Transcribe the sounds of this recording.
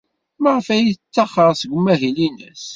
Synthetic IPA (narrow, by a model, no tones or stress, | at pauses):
məʁəfæjiθt͡sːɑχəʁˤsəɡʷmːæɦilinə̰s